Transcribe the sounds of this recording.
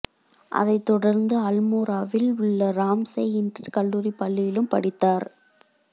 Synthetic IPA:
ʔɐ̰ðɐɪt̪ːɔɽɐɾnd̪ɯɐlmoːɾaːʋɪlʊɭːɐɾaːmsɐɪɪndɐkɐɭːuːɾipːɐɭːɪjɪlɯmpɐɽɪt̪ːaːɾ

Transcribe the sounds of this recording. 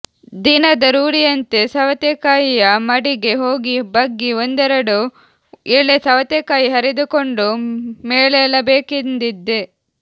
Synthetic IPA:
d̪inɐd̪ɐɾuːɽijɐnt̪e̞sɐʋɐt̪ekaːjijɐmɐɽiɡe̞ɦo̞ːɡibɐɡːiond̪ɛɾɐɽu | iɭːesɐʋɐt̪ekaːjiɦɐɾid̪uko̞ɳɖumeːɭeɐlɐbeːkind̪id̪ːe

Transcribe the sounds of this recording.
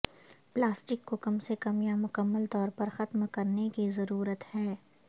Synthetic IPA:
plaːsʈɪkːokɐmsekɐmjamʊkəmːəlt̪ɔːɾpɐɾxɐt̪mkɐɾnekizɐɾuːɾət̪hɛː

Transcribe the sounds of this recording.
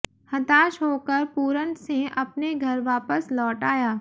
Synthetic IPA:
hɐt̪aːʃɦoːkəɾpuːɾə̃nt̪seʔɐpneɡʱɐɾʋaːpəslɔːʈaːjaː

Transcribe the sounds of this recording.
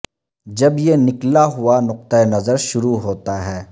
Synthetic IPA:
d͡ʒɐbjenɪklaɦʊanʊq̚t̪aenɐzəɾʃʊɾuɦoːt̪aɦɛː

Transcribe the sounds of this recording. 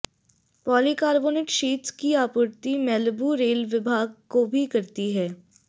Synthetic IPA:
pɔːlikaːɾboːnɪːʈʃiːt̪skiaːpʊɾt̪imɛlbuɾeːlʋɪbʱaːɡ̚kobʱikɐɾt̪iɦɛː

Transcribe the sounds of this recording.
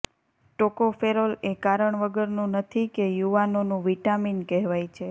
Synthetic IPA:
ʈokofeɾolekaɾəɳʋəɡəɾnũnət̪ʰikejuʋanonũʋiʈaminkɛɦʋajt͡ʃʰe

